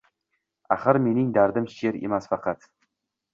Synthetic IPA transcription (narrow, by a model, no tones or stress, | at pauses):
a̰χəɾme̞nɪŋd̪aɾd̪ɪmʃeɾḛmasfɑqɑt̪